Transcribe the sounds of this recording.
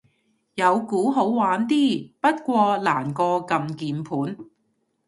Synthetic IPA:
jɐ˨˧wkuː˨˥ɦo˨˥wwaː˨˥nt̪iː˥˩pɐ˥t̚kʷɔː˧laː˨˩nkɔː˧kɐ˧mkiː˨npʰuː˨˥n

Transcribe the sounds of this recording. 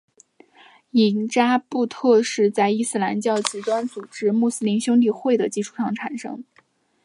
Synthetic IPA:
i˨˩nt͡ɕja˥pu˥˧t̪ʰɤ˥˧ʂɻ̩˥˧t͡sa˥˧ɪi˥sɹ̩˥˧la˧˥nt͡ɕjɑ˥˩ʊt͡ɕ̩˨˩t̪wa˥nt͡su˨˩ʈ͡ʂɻ̩˥mu˥˩sɹ̩˥li˧˥nɕjʊ˥ŋt̪̬i˥˧xwe˥˩ɪd̪ə˩t͡ɕi˥˧ʈ͡ʂʰu˥˩ʂɑ˥˩ŋʈ͡ʂʰa˨˩nʂɤ̰˥ŋ

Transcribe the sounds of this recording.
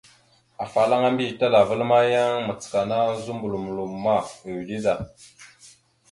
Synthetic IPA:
a˨fa˨la˦ŋa˦mbi˦˨ta˦la˨və˦lma˦ja˦ŋmə˨t͡sə̥˨ka˨na˦zu˦mbu˨lu˨m˨lu˨mːa˦˨e˨wdi˦za˨

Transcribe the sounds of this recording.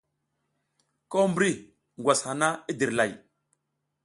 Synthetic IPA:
ko˦mbɾi˦ | ŋ˨ɡʷwa˨sha˨na˦i˦di˨ɾla˨j

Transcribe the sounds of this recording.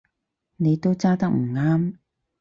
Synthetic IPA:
ne˨˧jt̪o˥wt͡saː˥t̪ɐ˥k̚m̩˨˩ŋaː˥m

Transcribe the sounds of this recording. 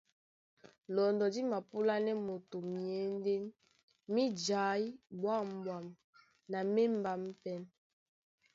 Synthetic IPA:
lɔ˨ndɔ˨di˦ma˨pu˦la˦nɛ˦mo˨to˨mjɛ˨˦n˦de˦n | mi˦d͡ʒa˨˦jbwa˦˨m˨bwa˨m | na˨me˦m˦ba˨m˦pɛ˦n

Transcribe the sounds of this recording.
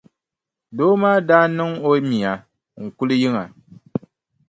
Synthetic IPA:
doː˦maː˦daː˦nɨ˦ŋo˦mi˨a˨ | ŋ̩˨ku˦lɨ˦ji˦ŋa˨

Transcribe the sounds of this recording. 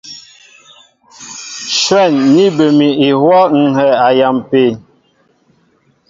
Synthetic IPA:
ʃwɛ˦˨nːi˦bə˨mi˨i˨hwɔ˦ŋ̩˨ɦɛ˨a˨ja˨mpe˨

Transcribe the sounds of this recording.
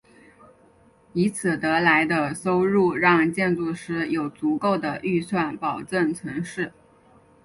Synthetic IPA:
i˧˥t͡sʰɹ̩˨˩t̪ɤ˧˥la˧˥ɪd̪ə˧so˥ʊɻu˥˧ɻɑ˥˧ŋt͡ɕjɛ˥˧nt͡su˥˩ʂɻ̩˥jo˨˩ʊt͡su˧˥ko˥˩ʊd̪ə˩ʔy˥˧swa˥˩npɑ˨˩ʊʈ͡ʂə˥˩nt͡sʰɤ˧˥ŋʂɻ̩˥˩

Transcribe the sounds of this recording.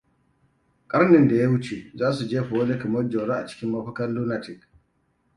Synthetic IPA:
kʼɐ˦ɾnɪ˨nda˨ja˦wu˦t͡ʃe˨zaː˦su˨d͡ʒeː˦ɸɔ˨ɔ˦lɛ˦kɐ˨mɔ˦d͡ʒɔ˨ɾa˦ʔa˨t͡ʃɪ̥˦kʲɪ˦mːa˦ɸɐ˦kɐ˦nlu˦na˦tɪ˨k

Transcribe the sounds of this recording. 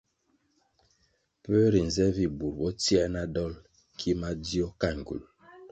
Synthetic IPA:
pə˦ɾi˨n̩˨zɛ˦vi˨bu˨ɾbɔ˦ti˦ɛ˦na˦dɔ˦l | kʰi˦ma˦di˦ɔ˦ka˦˨ŋ̩˨ɡṵ˨l

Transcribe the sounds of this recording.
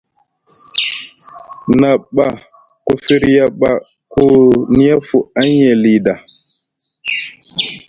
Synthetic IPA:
na˨ɓa˨ | ko˦fi˦ɾja˦ɓa˦ | kʰo˦ni˦ja˦fu˨a˦ɲɛ˨li˨da˨

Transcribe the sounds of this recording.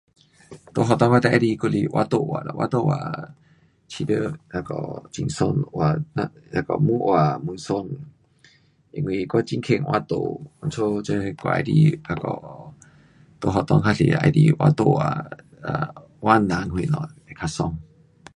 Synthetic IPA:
t̪o˧˨ɦɔ˧t̪ɔ˧ŋwa˦t̪a˧˨ʔa˧˦li˧ku˦li˧ʔwʔa˧˦t̪o˧˨wa˨lwʔa˧˦t̪o˦˨wa̰˨ | t͡ɕʰi˧də˧˦la˧kɔ̰˧˨t͡ɕi˧ŋso˧nwa˨na˧la˧˩kɔ̰˧˨mũ˦ʔwa˨˩mu˧˦nso˧n | ʔi˧ŋwi˧˨kɔ˦t͡ɕi˦ŋkʰe˧˨ŋwʔa˧˦t̪o̰˧˨u˨˧˦nt͡sʰo˦t͡ɕe˦˧kʷa̰˧ʔa̰˧˦lḭ˧la˧kɔ˧˨ | t̪o˧˨ɦɔ˧t̪ɔ˧ŋɦa˦lḭ˨a̰˧jlḭ˧ʔwa˧t̪o˧˨wa̰˨˩ | a˨ | wʔa˦nã˨˦ŋhwi˧˨nɔ̰̃˨e˧kʰa˧sɔ˧ŋ

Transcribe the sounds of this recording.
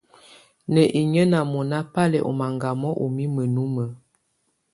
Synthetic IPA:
nə˨ʔi˨ɲə˦na˨mɔ˨na˦pa˦lɛ˨ʔɔ̰˨ma˨ŋɡa˨mɔ˦ʔo˨mi˦mə˨nu˦mə˨

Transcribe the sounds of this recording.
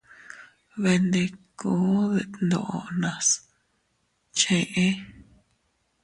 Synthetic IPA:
βe˧nd̪e˧ku˦ðe˧˨nd̪õ̰˨ʔo˧nã˨s | t͡ʃẽ˧ʔẽ˦

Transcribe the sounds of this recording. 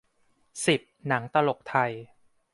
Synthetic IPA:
si˨˩p̚na˩˦ŋt̪a˧lo˨˩k̚t̪ʰa˧j

